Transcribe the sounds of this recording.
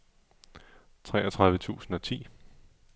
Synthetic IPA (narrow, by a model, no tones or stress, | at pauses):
t͡sʰʁɛ̰ːɐt͡sʰʁɑ̈ð̞ˠʋət͡sʰṵːsn̩ɒt͡sʰḭː